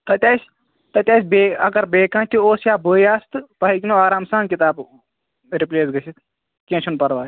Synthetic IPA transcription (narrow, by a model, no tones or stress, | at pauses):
t̪ɐt̪ʲjaːsʲ | t̪ɐt̪ʲjaːsʲbeːɐɡɐɾbeːkãːnt̪ʰuoːsjaːbəːjaːst̪ɨpɐɦikʲinoaːɾaːmsaːnkʲit̪aːb | ɾipleːsɡɐsʰit̪ | kʲẽːt͡ʃʰunpɐɾʋaː